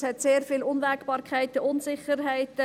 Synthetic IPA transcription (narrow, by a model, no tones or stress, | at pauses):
hɛtseːɾfɪlʊnʋɛkb̥ɑːɾkʰæɪtəʔʊnsɪχəɾɦæɪtə